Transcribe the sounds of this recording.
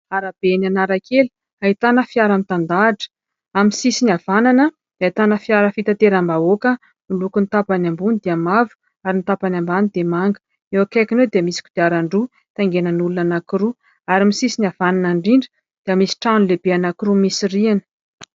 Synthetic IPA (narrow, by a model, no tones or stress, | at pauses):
aɾab̥enanaɾakeli̥ | ait̪anəfiaɾamit̪and̪aːʈ͡ʂə̥ | amisisiniav̥ananə | d̪̥ait̪anəfiaɾəfit̪at̪eɾambaokə | mulukunit̪apanambunid̪iamavu̥ | aɾinit̪apanambanid̪emaŋɡə̥ | ewakakʲinewd̪iəmisi̥ku̥d̪̥iaɾaɳɖ͡ʐu | t̪aŋɡenənulunanakiɾu | aɾimisisinavananaɳɖ͡ʐiɳɖ͡ʐə̥ | d̪̥iəmisi̥ʈ͡ʂanulebeanakiɾumisirianə̥